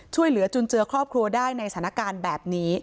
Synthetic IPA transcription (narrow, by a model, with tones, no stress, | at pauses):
t͡ɕʰu˥˩əjlɯ˩˦ɐt͡ɕu˧nt͡ɕɯ˧ɐkʰɾɔː˥˩p̚kʰɾu˧ɐdaː˥˩jna˧jstʰːna˦˥kaː˧nbɛː˨˩p̚niː˦˥